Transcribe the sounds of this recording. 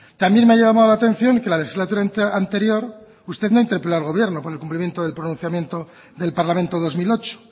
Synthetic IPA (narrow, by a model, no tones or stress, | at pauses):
t̪ambje̞nmeajamamaðlat̪en̟θjo̞ŋkelalexizlat̪uɾaant̪e̞ɾjo̞ɾ | ust̪e̞ðnaint̪e̞ɾpelaɾlɣo̞βje̞ɾnopoɾelkumplimjent̪oðe̞lpɾonũn̟θjamje̞nt̪o̞ | ðe̞lpaɾlamẽ̞nt̪oðo̞zmilo̞t͡ʃo̥